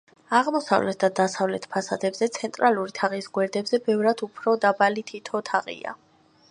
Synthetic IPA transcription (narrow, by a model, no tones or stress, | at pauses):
aʁmɔsa̰vlɛ̰t̪̚ʰd̪ad̪asavlɛt̪ʰpʰasad̪ɛbzɛt̪sʰɛnt̪ʼɾaluɾit̪ʰaʁisɡwɛɾd̪ɛbzɛbɛvɾad̪upʰɾɔd̪abalit̪ʰit̪ʰɔt̪ʰaʁʼḭa̰